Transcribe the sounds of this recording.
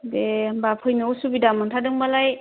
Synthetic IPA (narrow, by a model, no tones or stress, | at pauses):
bebapʰɯjnɯwsubidamɯŋtʰadɯŋbalaj